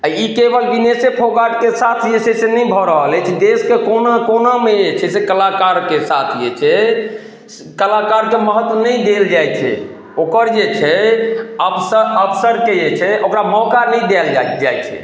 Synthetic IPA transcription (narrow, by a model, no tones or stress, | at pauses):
aikebəlbinesepʰoɡaʈkesat̪ʰd͡ʒesesenəjbʱɔɾəɦəlɛt͡ʃʰɛd̪eskekonakonamed͡ʒet͡ʃʰɛsekəlakaɾkesat̪ʰd͡ʒet͡ʃʰɛ | kəlakaɾkeməɦət̪wənəjd̪eld͡ʒajt͡ʃʰɛ̰ | okəɾd͡ʒet͡ʃʰɛ | əbʰsəəpʰsəɾked͡ʒet͡ʃʰɛʔokɾamɔkanəjɖ̪alad͡ʒajt͡ʃʰɛ̰